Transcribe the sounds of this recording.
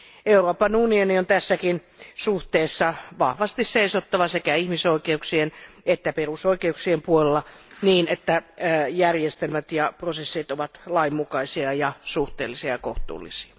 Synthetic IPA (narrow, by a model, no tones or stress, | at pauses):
euroːpɑnunioniont̪æsːækin | suht̪eːsːɑʋɑhʋɑst̪isseisot̪ːɑʋɑsekæihmisoikeuksienet̪ːæperusoikeuksiempuolelːɑniːnet̪ːæjærjest̪elmæt̪jɑprosesːit̪oʋɑt̪lɑimːukɑisiɑjɑsuht̪ḛːlːisiɑjɑkoht̪ṵːlːḭsi̥ɑ̥